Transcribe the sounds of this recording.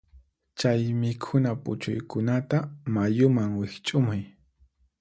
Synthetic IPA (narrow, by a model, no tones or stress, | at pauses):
t͡ʃajmɪkʰʊnapʊ̰t͡ʃʊ̰jkʊnat̪amajʊmaŋwɪkt͡ʃʼʊmʊj